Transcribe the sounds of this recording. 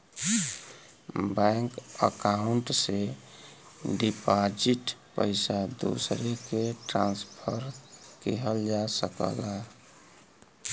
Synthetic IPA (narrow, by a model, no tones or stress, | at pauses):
bɛŋkə̰kauɳʈse | ɖipad͡ʒiʈpə̰ɪsad̪o̰sɾekeʈɾã̰nspʰəɾkeɦəld͡ʒasəkə̰la